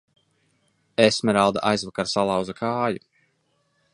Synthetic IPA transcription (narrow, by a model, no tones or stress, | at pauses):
esmɛɾawd̪a̰ʔajzvakaɾsalˠɑwzakʰaːju